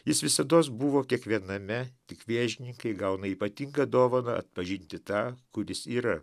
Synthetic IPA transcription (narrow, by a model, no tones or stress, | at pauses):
jɪsʋʲɪsɐd̪oːsbuʋoːkʲiɛkʋʲiɛnɐmʲɛt̪ʲɪkʋʲeːʒʲɪnʲɪŋkɐɪɡɐʊnɐiːpɐt̪ʲiŋɡɐd̪oːʋoːnɐɐ̰t̪̚pɐʒʲɪnʲt̪ʲɪt̪ɑːkʊɾʲɪsiːɾɐ